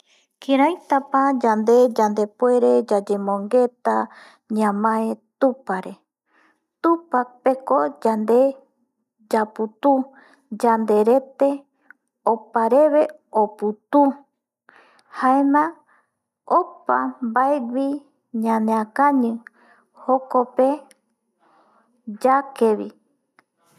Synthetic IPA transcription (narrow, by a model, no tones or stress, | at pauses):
kiɾajt̪apad͡ʒand̪e̞d͡ʒand̪e̞pe̞ɾe̞d͡ʒad͡ʒemõŋɡe̞t̪a | ɲãmãet̪upaɾe̞ | t̪upak̚peko̞d͡ʒand̪e̞ | d͡ʒaput̪u | d͡ʒand̪e̞ɾe̞t̪e̞ | opaɾeβe | oput̪u | haemã | opambaewi | ɲãnẽãkãɲɨ̃ | hokope | d͡ʒakeβi